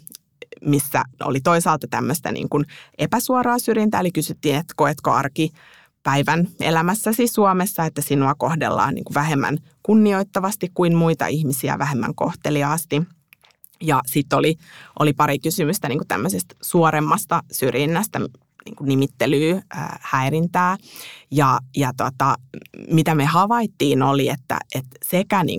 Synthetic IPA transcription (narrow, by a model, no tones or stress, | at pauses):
misːæ̰o̰lit̪oisɑːlt̪ɑt̪æmːøst̪æ̰nḭːŋkunepæsuɑɾɑːsyrjint̪æelikysyt̪ːiːnet̪ːkoet̪koɑ̰rki | pæiʋænelæmæsːæsisuɑmesːɑet̪ːæsinːoɑkohdḛlːɑ̰ːnnḭːŋkuʋæhemːæ̰n | kunːioit̪ːɑʋɑst̪ikkuimmuit̪ɑ̰ʔihmisiæ̰ʋæhemːæ̰ŋko̰ht̪eliɑɑst̪i | jɑsit̪ːoliʔolipɑɾikysymyst̪æniːŋkut̪æ̰mːøsest̪suoɾemːɑst̪ɑsyrjinːæst̪æm | nḭːŋkunimit̪ːelyːə̰ːhæiɾint̪æːjɑjɑt̪ot̪ɑmit̪æmehɑʋɑit̪ːiːnoliet̪ːæ̰et̪sekænḭːŋ